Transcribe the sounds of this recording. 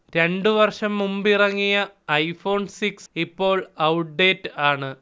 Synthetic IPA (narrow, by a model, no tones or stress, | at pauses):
ɾe̞ɳɖɨʋɐrʂɐmːumbirɐŋːijɐːjfo̞ːnsiksipːo̞ːɭɐwʈ̚ɖe̞ːtːɨaːɳɨ